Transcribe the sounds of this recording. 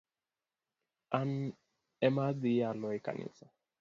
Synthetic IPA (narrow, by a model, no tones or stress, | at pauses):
an | ɛmadialɔɛka̰nʔḭsa